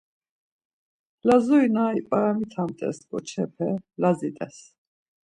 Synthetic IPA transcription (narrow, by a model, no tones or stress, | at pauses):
lazuinaːipʼaɾamit̪ʰamt̪ʼɛ̰sɡʼɔt͡ʃʰɛpʰɛlazit̪ʼɛs